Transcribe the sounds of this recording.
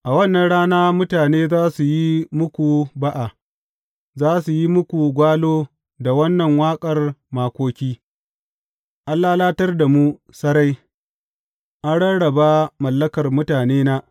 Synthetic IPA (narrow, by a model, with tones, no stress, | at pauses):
ʔa˨wɐ˦˨nːɐ˨nɽaː˦naː˦mʊ˦taː˨neː˦zaː˦su˨ji˦mʊ˦kʷu˨ba˦ʔa˨ | zaː˦su˨ji˦mʊ˦kʷu˨ɡʷaː˦loː˦ | da˨wɐ˦nːɐ˨ŋwaː˦kʼɐ˨rmaː˨kʷoː˦kʲiː˦ | ʔa˦lːaː˦laː˦tɐ˦rda˨mu˦ | sɐ˦ɽa˦j | ʔa˦ɽɐ˦ɽɐ˨ba˦mɐ˨lːɐ˦kɐ˨rmʊ˦taː˨neː˦naː˦